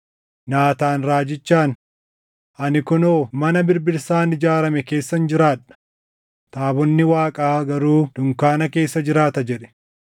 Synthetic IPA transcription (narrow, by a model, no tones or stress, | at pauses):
naːt̪aːnɾaːd͡ʒɪt͡ʃːaːn | ʔɐnɪkʊnoːmɐnɐbɪɾbɪɾsaːnɪd͡ʒaːɾɐmɛke̞ːsːɐnd͡ʒɪɾaːᶑɐ̥ | t̪ʼaːbɔnːɪwaːkʼaːɡɐɾuːd̪̥ʊŋkaːnɐke̞ːsːɐd͡ʒɪɾaːt̪ɐd͡ʒɛᶑɛ̥